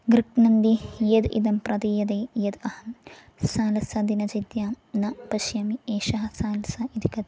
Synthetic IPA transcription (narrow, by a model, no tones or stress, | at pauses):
ɡɾiʈnɐnd̪ijed̪ḭd̪ɐmpɾɐd̪ijɐd̪eːjɐd̪ɐhɐn | saːlɐsɐd̪inɐd͡ʒɐd̪jaː | nɐpɐʃjɐmieːʃɐɦɐ̆saːlɐsɐid̪ikɐt̪